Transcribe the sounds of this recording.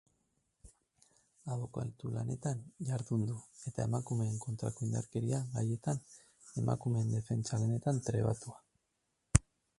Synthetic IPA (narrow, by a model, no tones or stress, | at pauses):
aβo̞ka̰lt̪ulane̞t̪anʎaɾðund̪ue̞t̪ae̞makume̞ːŋko̞nt̪ɾa̰koind̪a̰ɾke̞ɾiaɣaje̞t̪an | e̞mʔa̰kume̞nd̪e̞fe̞nt͡ʃalane̞t̪ant̪ɾe̞̰β̞a̰t̪ua